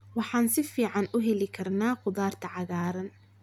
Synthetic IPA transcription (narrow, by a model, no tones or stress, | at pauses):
wɑħɑːnsɪfiːʕɑnʊɦɛlɪkʰɐrnaːqʊðaːrt̪ʰɐʕɑɣaːɾɐn